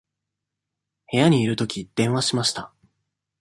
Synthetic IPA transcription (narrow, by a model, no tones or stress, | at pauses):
he̞jaɲ̟iːɾɯ̟t̪o̞kʲid̪̥ẽ̞ɰ̃aɕimaɕi̥t̪a